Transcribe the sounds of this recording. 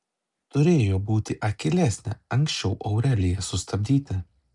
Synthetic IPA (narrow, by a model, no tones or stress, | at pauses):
t̪ʊɾʲeːjoːbuːt̪ʲɪʔɐkʲɪlʲæsʲnʲɛ̰ɐŋʲkʲsʲt͡ʃʲɛʊʔɐʊɾʲɛlʲɪjɛsʊst̪ɐbʲd̪ʲiːt̪ʲɪ